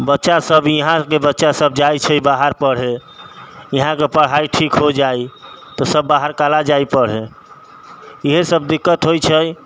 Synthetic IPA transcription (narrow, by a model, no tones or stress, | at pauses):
bətːʃasəbjiɦãkebətːʃasəb̚ʱd͡ʒajt͡ʃʰəjbaɦəɾpəɽ̤ɦe | jiɦãkepəɽ̤aiʈʰikɦod͡ʒajt̪ɔsəbːaɦəɾkalad͡ʒaipəɽ̤ɦe | iɦesəbd̪ikːət̪ɦojt͡ʃʰəj